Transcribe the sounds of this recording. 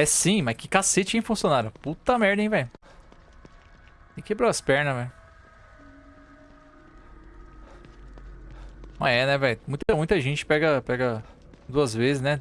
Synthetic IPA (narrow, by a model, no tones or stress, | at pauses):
ɛsĩmɐjkɪkaset͡ʃɪẽfũsijõnaɾɐput̪ɐmɛɾd̪ẽvɛj | ɪkebɾoɐspɛɾnɐvɛj | nɐ̃ɛnɛvɛjmũj̃t̪ɐmũj̃t̪ɐʒẽt͡ʃɪ̥pɛɡɐpɛɡɐ | d̪uɐzvezɪznɛ